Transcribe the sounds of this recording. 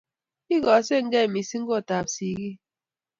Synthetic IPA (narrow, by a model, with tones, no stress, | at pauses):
i˦ɣɔ˨˦se˦˨ŋ̩˦ɡɛ˦˨mi˨˦si˦ŋ̩˦ɡo˦˨ta˨psi˦ɣi˦